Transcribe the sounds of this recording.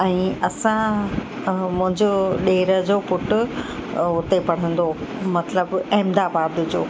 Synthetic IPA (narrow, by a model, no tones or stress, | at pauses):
ɛ̃ːɐsã | mʊ̃ɦɪ̃ɲd͡ʑoɗeːɾəd͡ʑopʊʈʊ̆ | ʊt̪epɐɽ̤ə̃nd̪omɐt̪ləbɐɦɪmd̪aːbaːd̪ʊd͡ʑoː